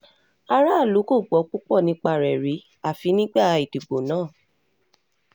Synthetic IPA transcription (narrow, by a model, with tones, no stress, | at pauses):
a˧ɾa˦˨lu˨˦ko˦˨ɡ͡bɔ˨˦k͡pu˦k͡pɔ˦˨nĩ˧˦k͡pa˦˨ɾɛ˨ɾi˨˦ | a˨fi˨˦nĩ˦ɡ͡ba˦˨˧i˨du˨ɡ͡bo˨nãː˨˦˨